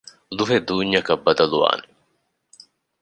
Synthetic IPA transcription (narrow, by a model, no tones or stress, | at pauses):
luɦed̪uːɲːɐkɐbːɐd̪ɐluʋa̰ːne